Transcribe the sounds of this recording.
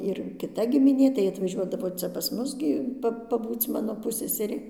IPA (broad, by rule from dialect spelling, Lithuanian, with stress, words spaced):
ɪr kʲɪˈtɐ ɡʲɪmʲɪˈnʲeː tɐɪ ɐtʋɐˈʒʲuɔdɐʋoː ˈt͡sʲɛ pɐs ˈmʊs ɡʲɪ ˈpɐ pɐˈbuːt͡s ˈmɑːnoː ˈpʊsʲsʲɛsʲɛrʲeː